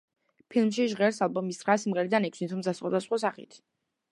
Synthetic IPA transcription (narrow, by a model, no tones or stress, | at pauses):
pʰilˠmʃiʒʁɛɾsalˠbɔmisχʁasimʁɛɾid̪anɛkʰsint̪ʰumzasχwad̪asχwasaχḭt̪ʰ